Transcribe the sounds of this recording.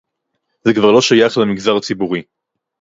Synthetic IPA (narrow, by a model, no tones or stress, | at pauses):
zekvaʁlo̞ʃajaχlemiɡzaʁt͡sibuʁi